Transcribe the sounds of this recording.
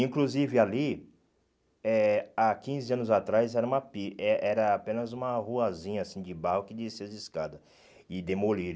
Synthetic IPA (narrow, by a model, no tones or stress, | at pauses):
ĩkluzivɪali | ɛakĩzɪɐ̃nʊzat̪ɾajzɛɾɐũmɐpiɛʔɛɾɐapẽnɐzũmɐhuɐzĩɲɐasĩd͡ʒɪbahʊkɪd̪isezɪskad̪ɐ | ɪd̪emoliɾ